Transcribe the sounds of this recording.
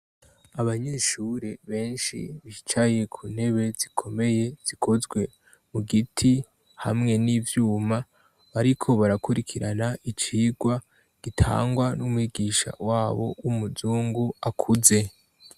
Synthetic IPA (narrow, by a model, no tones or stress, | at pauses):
aβaɲeːʃuːɾe̞βe̞ːnʃḭβiʃi̥t͡ʃaje̞kʰune̞βe̞z̥ikʰo̞me̞je̞z̥ikʰo̞zɡwe̞ | muɡitʰi | hamŋe̞nivjuːma | βaɾikʰo̞βaɾakuɾikʰiɾanaʔit͡ʃiːɡwa | ɡ̥itʰa̰ːŋɡwanumwiːɡiʃa̰waːβo̞̰umuzuːŋɡuakʰuze̞